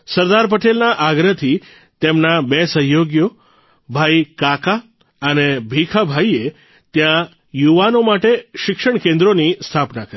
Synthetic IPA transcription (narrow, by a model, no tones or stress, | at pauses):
səɾd̪aɾp̬əʈelnaʔaɡɾət̪ʰi | t̪emnabesəɦjoɡjo | bʱajkaka | ənebʱikʰabʱaie | t̪jã | juʋanomaʈeʃɪkʃəɳkẽnd̪ɾonist̪ʰapnakəɾi